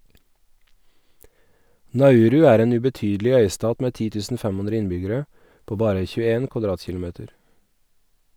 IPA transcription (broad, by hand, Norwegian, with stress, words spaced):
nɑˈʉːɾʉ ˈæːɾ ˈeːn ʉbɛˈtyːdlɪ ˈœʏˌstɑːt ˈmeː ˈtiː ˈtʉːsn̩ ˈfæm ˈʉnɾə ˈɪnbʏɡəɾə ˈpoː ˈbɑːɾə çʉːəˈeːn kʋɑˈdɾɑːtçɪlʊˌmeːtəɾ